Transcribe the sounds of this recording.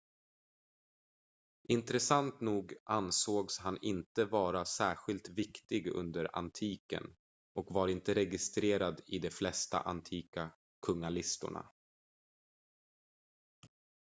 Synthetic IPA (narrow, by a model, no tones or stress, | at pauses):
ʔɪnt̪ɾɛsant̪nuːɡʔansoːɡshanɪnt̪əvɑːɾasæːɾɧɪlt̪vɪkt̪ɪɡɵ̰nd̪əɾa̰nt̪ʰiːkə̰n | ʔɔkvaɾɪnt̪əɾɛɡɪst̪ɾeːɾad̪ɪd̪ɛflɛst̪a̰ʔant̪ʰiːka | kʰɵŋalɪst̪ʊ̰ɳa̰